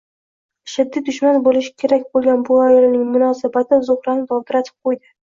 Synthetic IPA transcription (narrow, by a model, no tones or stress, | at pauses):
ʃɪd̪ːɪd̪ʊʃmanbolɪʃɪ̥kʲʰe̞ɾakʲbolˠɡʲanbʊajɒlnɪŋmʊnɒsabat̪ʰɪzʊhɾanɪt̪ʰɒwt̪ɪɾat̪ʰɪ̥p̚qʰojd̪ɪ